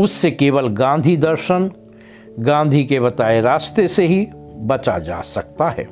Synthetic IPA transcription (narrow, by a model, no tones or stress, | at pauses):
ʊsːekeːʋəlɡãːnd̪ʱid̪ɐɾʃən | ɡãːnd̪ʱikeβɐt̪aːeɾaːst̪eseɦi | bɐt͡ʃad͡ʒa̰ːsɐk̚t̪aɦɛ̰ː